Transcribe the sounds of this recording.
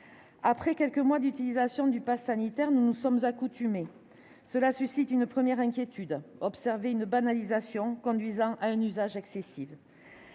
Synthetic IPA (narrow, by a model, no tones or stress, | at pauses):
apχɛkʲɛlkəmwad̪yt̪ilizasjɔ̃d̪ypasanit̪ɛʁnunusɔmzakut̪yme | səlasysit̪ynpχəmjɛʁɛ̃kʲjet̪ʰyd̪ɔpsɛʁveynbanalizasjɔ̃kɔ̃d̪ɥizɑ̃ʔaɛ̃nyzaʒɛksesiv